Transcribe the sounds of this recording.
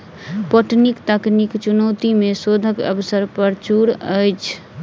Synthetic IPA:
pəʈnikt̪əknikt͡ʃunəwt̪imesod̪ʱəkə̰bəsəɾpəɾt͡ʃuɾəjt͡ʃʰ

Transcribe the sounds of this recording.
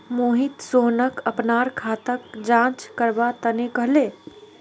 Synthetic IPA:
moɦit̪soɦnəkəpnaɾkʰat̪əkd͡ʒãt͡ʃkəɾbat̪ənekəɦle

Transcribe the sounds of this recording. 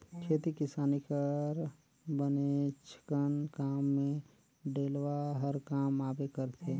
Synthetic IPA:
kʰeːt̪ikɪsaːnikəɾ | bənet͡ʃʰɪ̥kənkaːmːẽ | ɖeːlʋaɦəɾkaːmaːpekəɾt̪ʰeː

